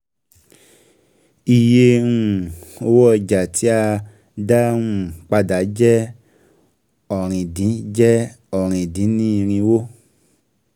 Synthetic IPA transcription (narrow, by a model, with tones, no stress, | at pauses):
i˨je˧ɾũ˨o˧wɔ˦˧d͡ʒa˨ti˨˦a˧ | da˦ũ˦˨k͡pa˧da˨˦d͡ʒɛ˦ | ɔ˨ɾ̃ĩ˨dĩ˨˦d͡ʒɛ˦ | ɔ˨ɾ̃ĩ˨dĩ˨˦nĩ˦˧ɾ̃ĩ˧wo˦